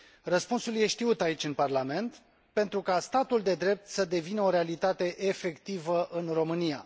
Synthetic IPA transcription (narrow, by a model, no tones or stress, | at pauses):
rəspunsulje̞ʃt̪iut̪ait͡ʃʲɨnparlame̞nt̪ | pe̞nt̪ɾukast̪at̪uld̪e̞d̪ɾe̞p̚t̪səd̪e̞vinəo̞ɾe̞alit̪at̪e̞ʔefe̞kt̪ivəʔɨnro̞mɨnia̰